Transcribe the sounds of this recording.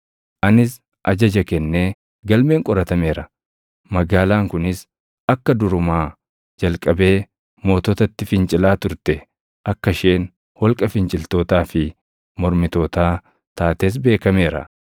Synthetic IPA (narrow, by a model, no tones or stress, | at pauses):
ʔɐnɪs | ʔɐd͡ʒɐd͡ʒɐkɛnːe̞ː | ɡɐlme̞ːŋkʼɔɾɐt̪ɐme̞ːɾɐ | mɐɡaːlaːŋkʊnɪs | ɐkːɐd̪ʊɾʊmaː | d͡ʒɐlkʼɐbe̞ː | mo̞ːt̪ɔt̪ɐt̪ːɪfɪnt͡ʃʼɪlaːt̪ʊɾt̪ɛ | ʔɐkːɐʃeːn | hɔlkʼɐfɪnt͡ʃʼɪlt̪o̞ːt̪aːfɪ | mɔɾmɪt̪o̞ːt̪aː | t̪aːt̪e̞ːs̬be̞ːkɐme̞ːɾɐ̰